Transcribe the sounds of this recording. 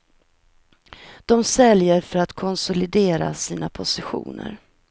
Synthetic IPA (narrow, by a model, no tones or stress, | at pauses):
d̪̥ɔmsɛljəɾfœɾat̪kʰɔnsʊlɪd̪eːɾa̰siːnapʰʊsɪɧṵːnə̰ɾ